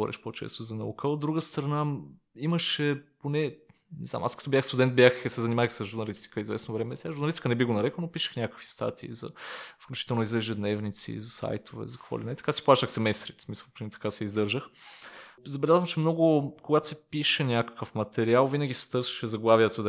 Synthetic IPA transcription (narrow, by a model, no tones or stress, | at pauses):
vɔ̰ɾʔɛ̰ʃpot͡ʃɛ̰st̪ozɐnɐṵkʰəod̪ːɾuɡəst̪ɾɐna | iməʃɛponɛ | nɛza̰mʔa̰skɐt̪ɔbjaxst̪ud̪ɛnt̪̚bjaxsɛzɐnimaksəzʒʊɾnɐlist̪i̥kəizvɛsnovɾɛmɛsɛaʒʊɾnɐlist̪i̥kənɛbiɡonɐɾɛkənopiʃə̥xnʲakəkvi̥st̪a̰t̪ʰiːzɐ̰fklʲʊt͡ʃi̥t̪ɛlˠnoizɐɛʒɛd̪nɛvnit̪sḭzɐsa̰jt̪ovɛ̰zɐkəkvɔ̰linɛt̪ɐ̥kasi̥plˠaʃəxsɛmɛst̪ɾit̪smisəlˠpɾt̪ɐ̥kasɛizd̪ɤɾʒəx | zɐbɛlʲazvəmt͡ʃɛmnɔɡʊkoɡat̪o̥sɛpiʃɛnʲakə̥kəfmɐt̪ɛɾialˠvinəɡ̟ʲisɛ̥t̪ɤɾsə̥ʃɛzɐɡlˠavjət̪od̪